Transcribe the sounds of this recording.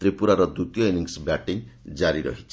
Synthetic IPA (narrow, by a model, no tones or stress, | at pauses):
t̪ɾipuɾaɾɔd̪ut̪jɔeniŋsbjaʈid͡ʒaɾiɾɔ̰ɦit͡ʃʰi